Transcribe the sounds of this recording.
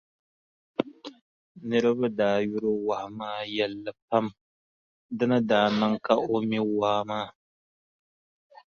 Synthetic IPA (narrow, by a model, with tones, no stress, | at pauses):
nɨ˦ɾɨ˦ba˦daː˨jʊ˦ɾo˦wa˨ha˨maː˦jɛ˨lːa˨pa˦m | dɨ˦nɨ˦daː˨nɨ˦ŋka˦ʔo˦mi˦waː˦maː˦˨